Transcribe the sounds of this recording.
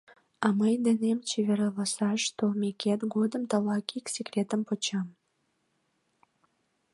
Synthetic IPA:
ɑməjd̪enemt͡ɕeβeɾɑlɑsɑʃt̪omʲeket̪ɡod̪əmt̪əlɑkiksekrʲet̪əmpot͡ɕɑm

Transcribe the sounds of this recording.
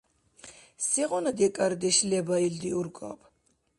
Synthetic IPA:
siʁɔnad̪iɛkʼaɾd̪ɛʃlɛbaild̪iuɾɡʼa̰bʰ

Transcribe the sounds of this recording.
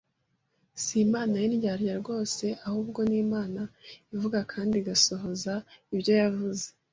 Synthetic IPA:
simaːnajiniɟaɾjaɾɡo̞ːse̞ʔahuːbɡo̞niːmaːnaivuɡakʰaːndiɡaso̞ɦo̞zaibɟo̞javuze

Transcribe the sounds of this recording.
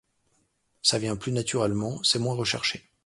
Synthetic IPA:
savjɛ̃plynat̪yʁɛlmɑ̃sɛmwɛ̃ʁəʃɛʁʃe

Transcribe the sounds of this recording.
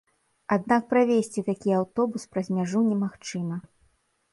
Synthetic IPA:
ad̪nak̚pɾavʲesʲt͡sʲit̪akʲiawt̪ɔbuspɾɐzʲmʲaʐunʲɛmaxt͡ʂɨmɐ

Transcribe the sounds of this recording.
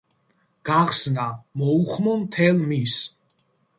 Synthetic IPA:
ɡ̥aχsnamɔuχmɔmt̪ʰɛlmis

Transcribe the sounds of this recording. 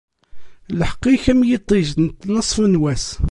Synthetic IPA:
lħə̥qːiçæmjit̪ˤːiʒnt̪ːnəsˤːfnwæs

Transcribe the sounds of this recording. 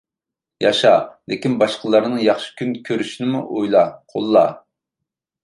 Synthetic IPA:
jɑʃɑlɪkʲinbɑʃqəlˠɑɾnɨjɑχʃi̥kʲʰynkʲʰøɾyʃinɪmuʔojlˠɑqʰolˠːɑ̰

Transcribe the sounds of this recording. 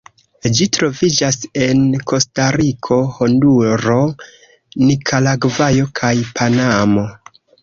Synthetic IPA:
d͡ʒitɾo̞vid͡ʒase̞nkʰo̞staɾikʰo̞honduɾo̞ | nikʰalaɡvajo̞kʰajpʰanamo̞

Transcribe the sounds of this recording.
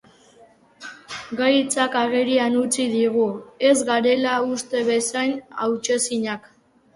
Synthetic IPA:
ɡajt͡sakaɣeɾianut͡siðiɣue̞zɡaɾe̞laust̪e̞βe̞sajna̰wt͡ʃe̞siɲak

